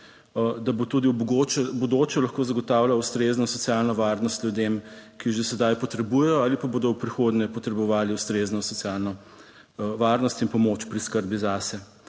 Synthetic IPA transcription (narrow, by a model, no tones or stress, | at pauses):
d̪abot̪uːd̪iɡot͡ʃbod̪oːt͡ʃɛlɐxkoːzɐɡɔt̪aːwlaust̪ɾeznɔsɔtsjalnɔʋaːɾnɔst̪ljud̪emkiʒesɛd̪ajpɔt̪ɾɛbujɛjɔaːlipaboːd̪ɔwpɾixod̪nɛpɔt̪ɾɛbɔʋaːliust̪ɾeznɔsɔt̪sijalnɔ | ʋaːɾnɔst̪inpɔmot͡ʃpɾiskəɾbizaːsɛ